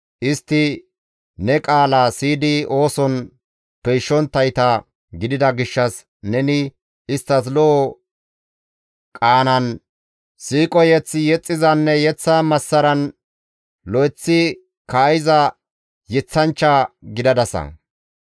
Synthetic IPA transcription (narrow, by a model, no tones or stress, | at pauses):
ʔɪst̪ːɪ | nɛkʼaːlaːsiːd̪ɪo̞ːsɔn | pɛjʃːɔnt̪ːɐjt̪ɐ | ɡɪd̪ɪd̪ɐɡɪʃːɐs | nɛnɪ | ɪst̪ːɐs̬lɔʔ | kʼaːnɐn | siːkʼɔjɛt͡sːɪjɛt͡sʼːɪzɐnːɛjɛt͡sːɐmɐsːɐɾɐn | lɔjt͡sːɪ | kɐːjɪzɐ | jɛt͡sːɐnt͡ʃːɐɡɪd̪ɐd̪ɐsɐ̰